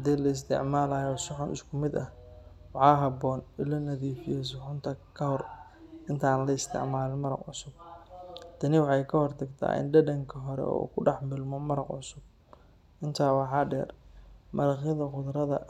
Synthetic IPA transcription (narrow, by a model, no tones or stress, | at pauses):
hɐd̪iːlɐɪs̬t̪ʰɪ̰ʕmaːlaːjɔsʊħɔnɪ̰skʰʊmɪd̪ɐhwɑħɑːɦɐbɔːnɪlɐnɐðiːfɪjɛːs̬ɔʕʊnt̪ʰɐkʰɐhɔr | ʔɪnt̪ʰaːnlɐɪst̪ʰɪ̰ʕmaːlɪmɐɾɑ̰qʕʊsʊb̚ | d̪̥ʰɐnɪwɑħɑjkʰɐhɔrt̪ʰɐɡt̪ʰa̰ːʔɪ̰nɖɐdɐŋkʰɐɦɔɾɛ̰ɔ̰ːkʰʊɖɑħmɪlmɔmɐɾɑqʕʊsʊb̚ | ʔɪnt̪ʰaːwɑħɑːɖɛ̰ːrmɐɾɑχjɐðɐqʊðɾɐðɐ̰